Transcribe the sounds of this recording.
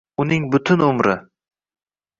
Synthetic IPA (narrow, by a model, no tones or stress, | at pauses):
ʊnɪŋbʊt̪ʰʊnʊmɾɪ̰